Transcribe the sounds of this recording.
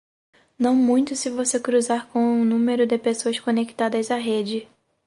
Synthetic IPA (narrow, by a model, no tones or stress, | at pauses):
nɐ̃w̃mũj̃t̪ʊsɪvosekɾuzaɾkõw̃ũnũmeɾʊd̪ɪpesoɐskõneki̥t̪ad̪ɐzaɦed͡ʒɪ